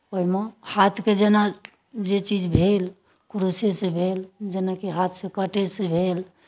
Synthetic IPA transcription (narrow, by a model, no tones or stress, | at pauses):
oɦimehat̪ʰked͡ʒena | d͡ʒet͡ʃid͡ʒbʱel | kɾusesẽbʱeld͡ʒenakeɦat̪ʰsẽkəʈesẽbʱel